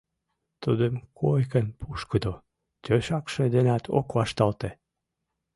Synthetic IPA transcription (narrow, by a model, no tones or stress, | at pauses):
t̪ud̪əmkʰojkənpʰuʃkəd̪o | t̪øʃɑkʃed̪enɑt̪ʰo̰kβɑʃt̪ɑlt̪e